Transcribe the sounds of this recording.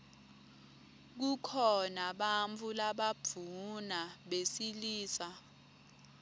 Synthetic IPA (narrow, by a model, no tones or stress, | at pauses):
k̬ukʰɔnaɓaɱt͡fʰulaɓab̥vʱunaɓesiliːsa